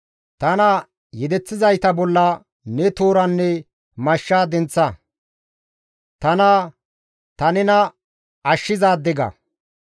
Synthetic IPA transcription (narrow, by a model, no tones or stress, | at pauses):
t̪ɐnɐ | jɛd̪ɛt͡sːɪzɐjt̪ɐbɔlːɐ | nɛt̪oːɾɐnːɛ | mɐʃːaːd̪ɛnt͡sːɐ | t̪ɐnɐ | t̪ɐnɛnɐ | ɐʃːɪzaːd̪ɛɡɐ̰